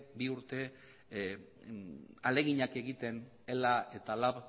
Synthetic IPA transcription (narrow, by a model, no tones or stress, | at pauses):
biuɾt̪e̞ | ale̞ɣiɲake̞ɣit̪e̞n | e̞lae̞t̪alaβ